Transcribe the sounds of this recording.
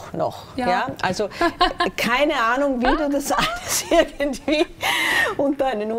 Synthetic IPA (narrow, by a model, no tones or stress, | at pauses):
nɔ̰x | jaːʔa̰lzokʰaɪnəaːnʊŋviːduːdasastɪɐɡn̩tv̥iː | ʊnt̚d̥aɪnənh